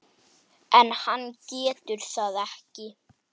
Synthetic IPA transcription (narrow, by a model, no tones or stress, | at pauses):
ɛnhanːcɛːt̪ʏɾ̥θaðɛhcɪ